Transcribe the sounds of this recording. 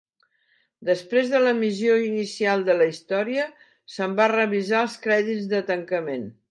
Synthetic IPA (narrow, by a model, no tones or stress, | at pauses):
d̪əspɾezðələmizioinisialˠd̪ələist̪ɔɾiə | səmbarəβizaəlˠskɾɛðid͡zðət̪əŋkəmen